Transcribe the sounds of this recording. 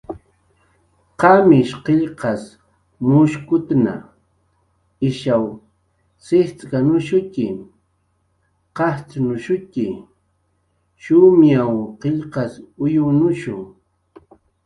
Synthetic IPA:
qɑmɪʃqeʎqɑs | mʊʃkʊt̪na̰ | ɪʃaw | sɪht͡skanʊʃʊkɪ | qɑht͡snʊʃʊkɪ | ʃʊmjawqeʎqɑsʊjʊnʊʃʊŋ

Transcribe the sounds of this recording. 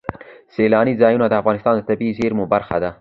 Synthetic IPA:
selɑnizɑjunad̪əafɣɑnɪst̪ɑnd̪ət̪abizeɾmubaɾxad̪a

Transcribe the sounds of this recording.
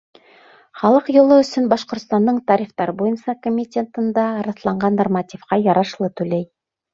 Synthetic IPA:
χɑlˠɤqjŏlˠɤɵ̆sɵnbɑʃqŏɾt̪st̪ɑnd̪ɤɴt̪ɑɾʲiχt̪ɑɾbojɤnsɑkomʲːɪtʲent̪ɤ̆nd̪ɑɾɑ̆θlˠɑɴɢɑnːormat̪ʲifqɑjɑɾɑʃlˠɤt̪ʉlæj

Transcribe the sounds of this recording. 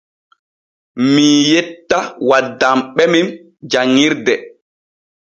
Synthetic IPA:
miːjɛtːawadːamɓɛmim | d͡ʒaŋːiɾdɛ

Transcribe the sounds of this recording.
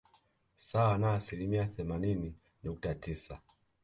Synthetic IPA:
sawanaːsilimiaθɛmanini | nuk̚tatisa

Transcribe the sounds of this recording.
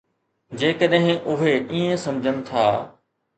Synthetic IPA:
d͡ʑeːkəɗɦɪ̃ʔʊɦeiːẽsɐ̃md͡ʑʱənɪ̆t̪ʰa̰ː

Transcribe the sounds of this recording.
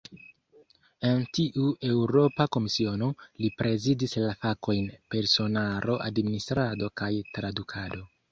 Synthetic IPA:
e̞ntiʔue̞wɾo̞pako̞misio̞no̞lipɾʔe̞zidislafako̞jnpe̞ɾso̞nalo̞ʔa̰dministɾado̞kajtɾadukʰado̞

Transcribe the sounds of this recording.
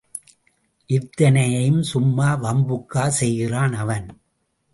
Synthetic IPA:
ʔɪɾt̪ːɐnɐjɐjɯmsʊmːaːʋɐmbɯkːaːsɛjɣɪraːnɐʋɐn

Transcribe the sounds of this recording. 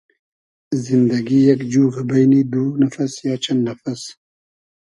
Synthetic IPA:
zɪnd̪aɡijakd͡ʒuːɣbajnid̪unafasjaːt͡ʃand̪ːafas

